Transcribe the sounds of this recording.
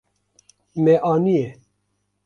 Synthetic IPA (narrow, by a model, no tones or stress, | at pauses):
meʔɑːnije